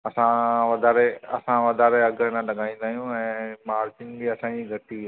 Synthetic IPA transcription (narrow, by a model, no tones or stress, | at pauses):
ɐsãʋɐd̪ʱaːɾeɐ̰sãʋɐd̪ʱaːɾeɐɡnãlɐɡʱãːĩːn̆d̪aːɦijũɛ̃ːmaːɾt͡ɕɪnbiɐsãːiɡʱɐʈ̪i